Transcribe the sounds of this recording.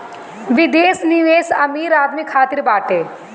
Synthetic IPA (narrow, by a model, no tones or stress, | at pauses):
ʋɪd̪eːsniʋeːsɐmiːɾaːd̪mikʰːaːt̪ɪɾbaːʈeː